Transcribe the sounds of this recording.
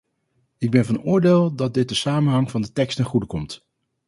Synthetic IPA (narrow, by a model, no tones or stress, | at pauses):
ɪɡ̚bɛnvɑnʊːɹdeːlˠdɑt̚dɪt̚dəsaːmənɦɑŋvɑndətɛkstɛχudəkɔmt